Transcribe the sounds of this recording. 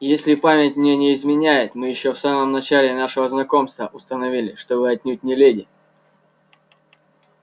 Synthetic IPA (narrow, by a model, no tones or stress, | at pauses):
jesʲlʲɪpamʲɪtʲmnʲenʲɪɪzmʲɪnʲæjɪt̪mɨjɪɕːofsaməmnɐt͡ɕælʲɪnaʂəvəznɐko̞mst̪vəʔʊst̪ənɐvʲilʲɪʂt̪obɨɐt̪ʲnʲut̚ʲnʲɪlʲedʲɪ